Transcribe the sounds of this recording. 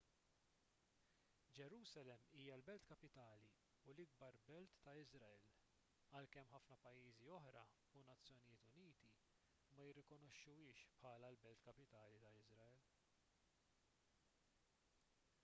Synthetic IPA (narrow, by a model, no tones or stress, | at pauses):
d͡ʒɛɾuːsɐlɛmːiːjɐlbɛlt̪kɐpɪt̪ɐːli | ulɪɡ̚bɐɾbɛlt̪ːɐɪzɾɐɛl | ɐlkɛmːħɐfnɐpɐjːiːziɔħɾɐ | unɐt͡sːjɔnɪjɪːt̪ʊniːt̪i | mɐjɪrːɪkɔnɔʃːuɪːʃpħɐːlɐlbɛlt̪kɐpɪt̪ɐːlit̪ɐɪzɾɐɛl